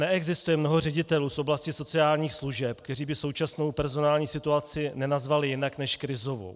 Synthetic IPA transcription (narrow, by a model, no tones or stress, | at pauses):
nɛʔɛɡzɪst̪ujɛmno̞ɦo̞rɛɟɪt̪ɛluːsʔo̞blascɪso̞t͡sɪaːlɲiːxsluʒɛpk̚t̪ɛɾiːbɪso̞wt͡ʃasno̞wpɛɾzo̞naːlɲiːsɪt̪uat͡sɪnɛnazvalɪjɪnaknɛʃkɾɪzo̞vṵ